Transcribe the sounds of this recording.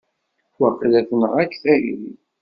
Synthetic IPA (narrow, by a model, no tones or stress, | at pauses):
wəqːlæθənəʁækːθæiɾi